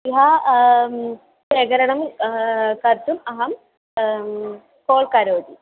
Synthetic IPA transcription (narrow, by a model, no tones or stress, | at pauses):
iɦɐ | ʃeːɡɐɾɐɳɐm | kɐɾt̪umɐɦɐm | koːɭkɐɾoːd̪i